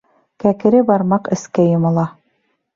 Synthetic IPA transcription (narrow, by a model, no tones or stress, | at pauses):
kækɘ̆ɾɘbɑɾmɑqɘ̆skæjŏmɤ̆lˠɑ